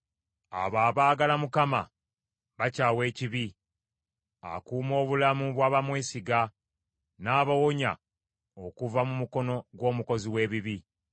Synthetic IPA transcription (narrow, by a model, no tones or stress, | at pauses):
a̰βaːβaːɡalamukama̰ | βacaːwe̞ːciβi | a̰kuːmo̞ːβulamuβwaːβamweːsiɡa | naːβawoɲa̰ | o̞kuvamumuko̞no̞ɡwo̞ːmuko̞ziwe̞ːβiβi